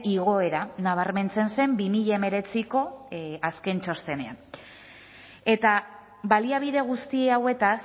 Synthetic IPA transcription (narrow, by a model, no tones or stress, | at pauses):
iɣo̞e̞ɾanaβ̞aɾme̞nt͡se̞nse̞mbimiʎaeme̞ɾe̞t͡siko̞aske̞nt͡ʃo̞st̪e̞ne̞a̰n | e̞t̪a | βaliaβ̞iðe̞ɣ̞ust̪ieawe̞t̪as